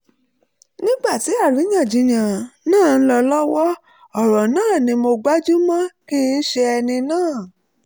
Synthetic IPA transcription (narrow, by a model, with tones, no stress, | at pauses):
nĩ˦ɡ͡ba˦˨ti˨˦a˦˨ɾi˨˦jã˦˨d͡ʒĩ˨˦j̃ã˨nãː˦˨n̩˦lɔ˧lɔ˦wɔ˦ | ɔ˦˨ɾɔ˨nãː˦˨nĩ˧mo˧ɡ͡ba˦d͡ʒu˦mɔ̃˦kĩ˦˧n̩˦ʃe˧ɛ˧nĩ˧nãː˦˨